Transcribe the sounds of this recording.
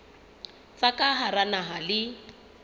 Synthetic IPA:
fakʼaɦaranaɦalɪ

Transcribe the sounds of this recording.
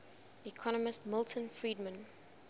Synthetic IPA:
ikʰɔnəmɪstmɪlˠtʰə̃nfɹiːdmə̃n

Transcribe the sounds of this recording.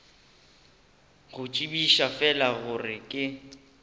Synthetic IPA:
ɣʊt͡ʃʼibiʃafɛlaɣʊrɪkʼɪ

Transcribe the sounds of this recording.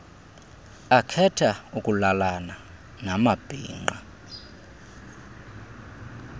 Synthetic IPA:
akʰɛtʰaukʼulalana | namab̥ʱḭːŋ͡ǃa̰

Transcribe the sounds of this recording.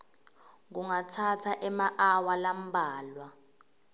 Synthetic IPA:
ŋuŋatʰatʰaʔɛmaʔawalam̩bʱaːlwa

